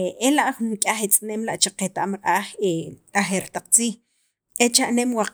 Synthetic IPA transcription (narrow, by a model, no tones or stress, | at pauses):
elaʔχunkʼaχet͡sʼneːmlaʔt͡ʃaqet̪aʔmɾʔaːχeaχeɾt̪aq͡χt͡siːχ | et͡ʃaʔnemwaq